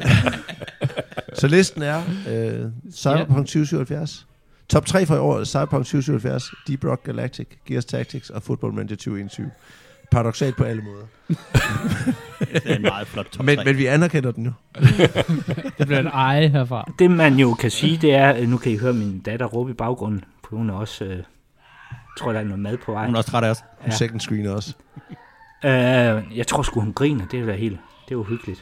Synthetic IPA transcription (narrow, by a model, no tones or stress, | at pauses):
sɒ̽le̝sd̥n̩æɐøsɑ̈ɪb̥ɐpʰɒ̽ŋ̰d̥syʊsy̰ʊ̰ɐhælfjæɐs | t͡sʰɒ̽b̥̚t͡sʰʁɛ̰ːfɒ̽iɒ̰ːð̩ˠsɑ̈ɪbɐpʰɒ̽ŋ̰d̥syːʊsyːhæl̩fjæɐsd̥ib̥ʁɒɡ̥ɡ̥ælæɡ̥̚t͡sʰiɡ̥ɡ̥iɐst͡sʰæɡ̥̚t͡sʰiɡ̥sɒ̽foð̥ˠb̥ɒ̽l̰mæn̥ʰæt͡sʰyʊe̝nt͡sʰyʊ | pʰɑ̈ʁɑd̥o̽ɡ̥sɛ̰ːl̥pʰɒ̽æləmɔ̽ːð̞ˠɐ | ɑ̈ːð̩ˠflɔd̥t͡sʰɒmenmenʋiænæɐkʰen̰ɐd̥en̩jo̝ | eb̥lenɑɪɦeɐfʁɑ̈d̥e̝mænjo̝kʰæsiːd̥e̝æɐnukʰæjiɦøːɐmind̥æd̥ɐʁɔ̽ːb̥əib̥ɑ̈ʊɡ̥ʁɔ̽n̰n̩fɒ̥̽ihunæɒ̽sø | t͡sʰʁo̝ɐ̰d̥ɑænɔð̩ˠmæðˠpʰɒ̽ʋɑ̈ɪ̰nɔst͡sʰʁɑɾɐshunnseɡ̥n̩sɡ̥ʁḭːnɐɒ̽s | øjɑ̈ɪt͡sʰʁo̝ɐsɡ̥uhunɡ̥ʁḭːnəd̥e̝æd̥æhe̝̰ːld̥ | d̥e̝joɦyɡ̥əlid̥